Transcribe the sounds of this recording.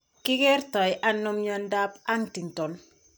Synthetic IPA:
kɪ˦kɛ˦ɾtɔ˨jʔa˦nʊ˦mɲɔ˦nda˦pa˦ŋti˨ŋtɔ˨n

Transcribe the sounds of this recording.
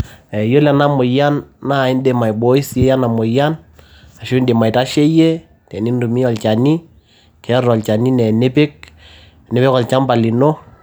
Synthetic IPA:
ɛ˨jo˦lɛ˨na˦mʊ˨ja˦nːa˦˨ɪ˦nde˨ma˨jbo˦i˦se˦ja˦na˨mʊ˨ja˦n | a˨ʃo˦nde˨ma˨jta˦ʃe˦je˦ | tɛ˨ni˦ndu˨mi˦ɔ˨lt͡ʃa˨ni˦ | kɛ˨˦ɾɔ˨lt͡ʃa˨ni˦nɛ˨ne˦pɪ˦k̚ | ne˨˦pɪ˦kɔ˨lt͡ʃa˦mba˨li˨no˦

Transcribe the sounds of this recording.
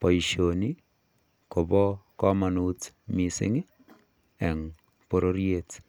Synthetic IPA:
pɔ˨i˨ʃo˨ni˦ | ko˨bɔ˦kɔ˦ma˨nu˦tmisɪ̰˦ŋɪ˦ | ɛ˨ŋ | po˨ɾo˦ɾje˦t

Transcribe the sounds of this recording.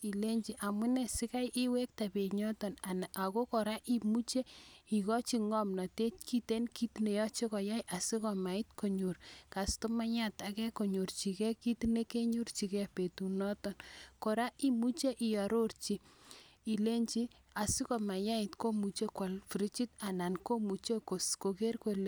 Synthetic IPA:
i˨le˦ɲt͡ʃi˦ʔa˨mʊ˦nɛ˨si˦ka˦jʔi˦we˦k̚ta˨pe˨ɲɔ˦tɔ˨na˨na˨ʔa˨ko˦kɔ˨ɾa˦ʔi˦mu˦t͡ʃe˦i˨kɔ˦t͡ʃi˦ŋɔ˦mna˨te˦t͡ʃki˦te˦nki˦tne˨jɔ˦t͡ʃe˦kɔ˨ja˦jʔa˨si˦kɔ˨ma˨ɪ˦t̚ko˨ɲo˨rka˨sto˦ma˦ɲa˦ta˨kɛ˦ko˨ɲo˨rt͡ʃi˨kɛ˦ki˦tine˦ke˦ɲu˦rt͡ʃi˨kɛ˦a˨pe˨tu˨nɔ˦tɔ˨nko˨ɾa˦ʔi˦mu˦t͡ʃe˦ʔi˨ja˨ɾo˦rt͡ʃi˦i˨le˦ɲt͡ʃi˦ | a˨si˦kɔ˨ma˨ja˦i˨tko˦mu˨t͡ʃe˦kwɔ˨lfi˨ɾi˦t͡ʃi˦ta˨na˨nko˦mu˨t͡ʃe˦ko˨sko˨ke˦rko˦le˨

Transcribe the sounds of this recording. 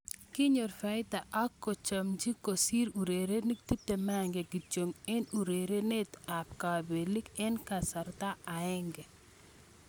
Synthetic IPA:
kɪ˦ɲo˨ɾfa˨ɪ˦t̪a˨ʔa˦kːo˨t͡ʃa˨md͡ʒi˦ko˨si˦ɾu˨ɾe˨ɾe˦ni˦k̚t̪i˦tːe˨ma˦˨ŋɡɛ˨ɡi˨t͡ʃo˨ŋɛ˦nu˨ɾe˨ɾe˦ne˦t̪a˨p̚ka˨be˨li˦kɛ˦nka˨sa˨ɾt̪a˦a˨ɛ˦ŋɡɛ˨

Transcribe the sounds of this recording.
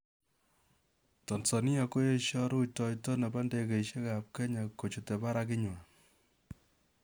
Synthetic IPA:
tɔ˨nsɔ˨ni˦a˧ko˦je˦ʃjɔ˦ɾu˦tɔ˨jtɔ˦na˨ba˦nde˨ke˨iʃe˦ka˨p̚kɛ˦ɲa˨ko˨t͡ʃu˨te˨pa˦ɾa˦kɪ˦ɲwa˨

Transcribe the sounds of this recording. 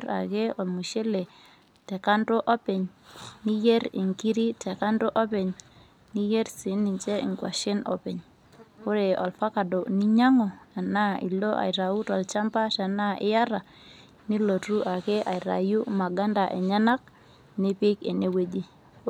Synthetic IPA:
ɾa̰˨ke˦ɔ˨lmu˨ʃe˦le˨ | tɛ˨ka˦nto˦ʔɔ˦pe˨ɲni˦je˦ɾi˨ŋki˦ɾi˦tɛ˨ka˦ndo˦ʔɔ˦pe˨ɲ | ni˦je˦ɾsi˨˦ni˨ɲt͡ʃe˦ʔḭ˨ŋkwa̰˨ʃɪ˦nɔ̰˨pɪ˨ɲ | o˦ɾe˨ɔ˨lfa˦ka˨do˨ni˦ɲa˦ŋɔ˨a˨na˦ḭ˨lo˦ʔa̰˨i˨ɾa˨u˦tɔ˨lt͡ʃa˦mpa˦ta˨na˦ʔɪ̰˦ja˦ɾa˨ | ni˦lo˨tu˦ʔa˨ke˦ʔa˨i˨ɾa̰˨ju˦ma˨ɡa˦nda˨ʔɛ˨ɲa˦na˦k̚ | ni˦pɪ˦ke˨ne˦we˦d͡ʒi˦

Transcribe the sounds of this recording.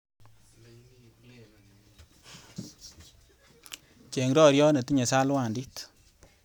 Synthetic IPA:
t͡ʃe˨ŋɾɔ˦ɾjɔ˦ne˨ti˦ɲe˨sa˦lwa˨ndi˦t

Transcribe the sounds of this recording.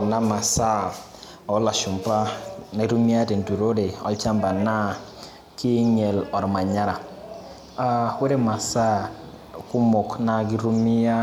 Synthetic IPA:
na˦ma˨sa˦ | ɔ˨˦la˨ʃu˨m˨pa˦na˦ɾu˦mi˦a˦de˨n̩˨du˨ɾo˦ɾe˨ɔ̰˦lt͡ʃa˦mba˨na˦ | ki˦e˦ɲe˨lɔ˨ɾma˨ɲa˦ɾa˨ | a˨wʷe˦ɾe˦ma˨sa˦˨ | ku˦mo˨kna˦ɡi˦ɾu˦mi˦a˦

